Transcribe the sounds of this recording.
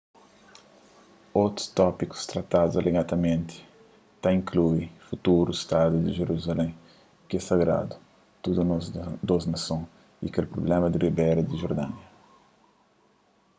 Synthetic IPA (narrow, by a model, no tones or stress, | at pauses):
ot̪ɾu̥st̪ɔpiku̥st̪ɾɐt̪ad̪uzalʔeɡat̪ɐmẽnt̪ɪ̥ | t̪aĩŋkluifut̪uɾuist̪ad̪ud̪iʒeɾuzalẽ | kɛsɐɡɾa̰d̪u̥ | t̪ud̪unɔzd̪oznɐsõ | ḭkelpɾoblɛ̃mɐd̪iribɛɾɐd̪iʒoɾd̪ãnɐ